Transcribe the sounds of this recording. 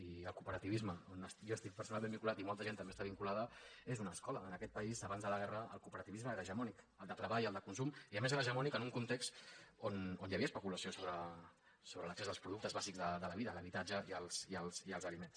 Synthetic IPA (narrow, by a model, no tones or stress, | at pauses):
iəlˠkupəɾət̪iβizməonəsjɔəst̪ik̚pəɾsunalˠmẽmbiŋkulat̪imɔlˠt̪əʒent̪əmest̪aβiŋkulað̞əezunəskɔləːnəkɛt̪̚pəizəβanzðələɣɛrəəlˠkupəɾət̪iβizməeɾəʒəmɔnikəlˠd̪ət̪ɾəβajəlˠd̪əkunsumiəmez̬eɾəʒəmɔnikənuŋkunt̪ekst̪ononjəβiəspəkuləsiosoβɾə | soβɾələksezðəlspɾuðuk̚t̪əzβaziɡzðəd̪ələβiðələβit̪ad͡ʒəiəlˠsiəlˠsiəlzəlimens